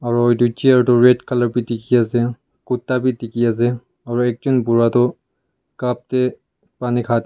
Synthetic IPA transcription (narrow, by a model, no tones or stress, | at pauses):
aɹojdut͡ʃiaɹtɔɹɛtkʰalɔɹpitikiasɛ | kutːabitikias̬ɛ | aɹuɛk̚d͡ʒunbuɹat̪ɔ | kap̚tɛ | panikʰat̪